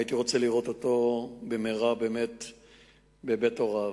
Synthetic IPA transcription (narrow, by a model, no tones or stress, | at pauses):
jit̪iʁo̞t͡seliʁo̞t̪oto̞bemeʁabe̞ːmet | bebetoʁa